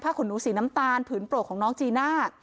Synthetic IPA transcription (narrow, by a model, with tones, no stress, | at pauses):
pʰaː˥˩kʰo˩˦nːuː˩˦siː˩˦na˦˥mt̪aː˧np̪ʰɯː˩˦npɾu˨˩t̚kʰɔː˩˦ŋnɔː˦˥ŋt͡ɕiː˧naː˥˩